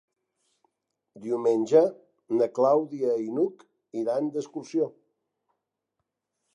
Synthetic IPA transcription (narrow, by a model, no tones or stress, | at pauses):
d̪iumenʲʒə | nəklawðiəinuk | iɾand̪əskuɾsio